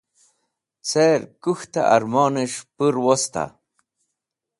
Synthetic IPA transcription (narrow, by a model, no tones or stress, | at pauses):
t͡seɾkuxt̪a̰ʔa̰ɾmoːniʂpɨɾwost̪a̰